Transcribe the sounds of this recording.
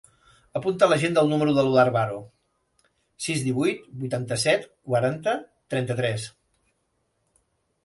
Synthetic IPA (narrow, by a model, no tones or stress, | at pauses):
əpunt̪ələʒend̪əlˠnuməɾuðəluðaɾβaɾo | sizðiβujt̪bujt̪ant̪əsɛt̪kwaɾant̪ət̪ɾɛnt̪ət̪ɾɛs